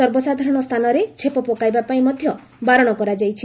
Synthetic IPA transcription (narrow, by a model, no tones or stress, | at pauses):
sɔɾbɔsad̪ʱaɾɔɽ̃ɔst̪ʰanɔɾet͡ʃʰepɔpɔkajbapaĩmɔd̪ʱjɔ | baɾɔɽ̃ɔkɔɾad͡ʒajt͡ʃʰi